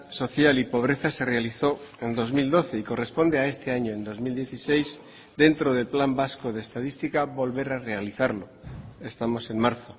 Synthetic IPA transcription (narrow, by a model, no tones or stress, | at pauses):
so̞θjalipo̞β̞ɾe̞θase̞realiθo̞e̞nd̪o̞zmild̪o̞θeiko̞re̞spo̞nd̪eae̞st̪eaɲoend̪o̞zmild̪jeθisejz | d̪e̞nt̪ɾoð̞elplambaskoð̞eːst̪aðist̪ikaβo̞lβe̞ɾare̞aliθaɾlo̞e̞st̪amo̞se̞mmaɾθo